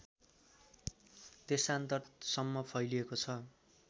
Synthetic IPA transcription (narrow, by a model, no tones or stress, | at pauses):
d̪esant̪ʌrsʌmːʌpʰʌjliekot͡sʰʌ